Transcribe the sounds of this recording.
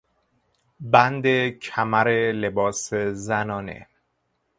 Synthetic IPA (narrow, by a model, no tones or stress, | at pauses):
bænd̪ecʰæmæɾelebɒːsezænɒːnḛ